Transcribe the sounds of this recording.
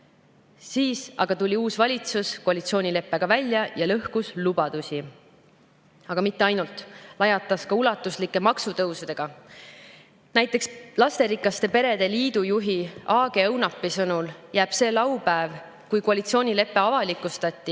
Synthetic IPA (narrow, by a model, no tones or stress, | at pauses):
siːsɑ̰ɡ̥ɑt̪ulʲiuːsvɑlʲit̪suskoɑlʲit̪sio̞ːnʲile̞pːˑe̞ɡ̥ɑvælʲjɑjɑlɤhkuslub̥ɑd̪usʲi | ɑɡ̥ɑmit̪ːe̞ɑjnult̪ˑlɑjɑt̪ːˑɑskɑulɑt̪ːˑuslikːˑe̞mɑksut̪ɤwsud̪̥e̞ɡ̥ɑ | næjt̪ːˑe̞kslɑst̪e̞ɾikːˑɑst̪e̞pe̞ɾe̞d̪̥e̞liːd̪̥ujuɦiɑːɡ̥e̞ɤwnɑpːisɤnuljæːb̥se̞ːlɑwpæev | kujkoɑlit̪sio̞ːnʲile̞pːe̞ɑvɑlikːˑust̪ɑt̪ʲːi